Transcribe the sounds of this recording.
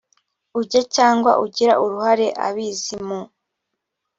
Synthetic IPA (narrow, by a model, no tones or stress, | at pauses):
uɟacaːŋɡwa̰ʔuɟiɾa̰ʔuɾuhaɾe̞ʔa̰βiːzimu